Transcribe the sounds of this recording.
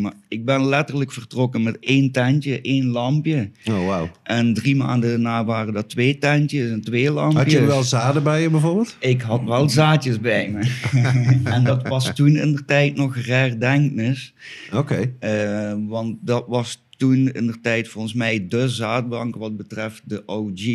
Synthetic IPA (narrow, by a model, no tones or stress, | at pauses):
maɪɡ̚bɛnlɛtərləkfərtrokəmɛteːntɛntəʔejnlɑmpjəowawʔɛndrima̰ːndənaːʋaːrəndɑtʋeːtɛntjəsɛntʋeːlɑmɦɑjəʋɛlˠzaːdəbɛjəbɛvoːrbɪːlˠtɪkɦɑtʋɛlˠzaːtjəsbɛjmə | ɛndɑtʋɑstunɪndərtɛjtnɔxrɛrdɛŋknɪsokej | ʋɑnt̚dɑtʋɑstunɪ̰ndərtɛjtfolˠɣənsmɛjdəzaːd̚bɑŋkʋɑd̚bətrɛft̚dəʔowd͡ʒi